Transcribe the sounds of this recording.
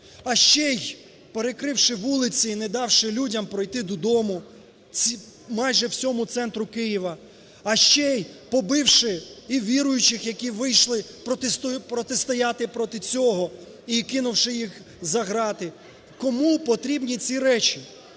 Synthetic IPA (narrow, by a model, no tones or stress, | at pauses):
ɐʃt͡ʃɛj | peɾekɾɪwʃɪʋulˠɪt͡sʲiːned̪ɑwʃɪlʲudʲɐmpɾɔjt̪ɪd̪ɔd̪ɔmʊ | i | mɑjʒɛwt͡sʲɔmʊt̪sɛnt̪ɾʊkɪjiʋɐ | ɐʃt͡ʃɛjpɔbɪwʃɪiʋʲiɾʊjʊt͡ʃɪxjɐkʲiʋɪjʃlˠɪpɾɔspɾɔt̪ɪst̪ɔjɑt̪ɪpɾɔt̪ɪt͡sʲɔɦɔ | ikɪnʊwʃɪjix | zɐɦɾɑt̪ɪ | kɔmupɔt̪ɾʲibnʲit͡sʲiɾɛt͡ʃʲi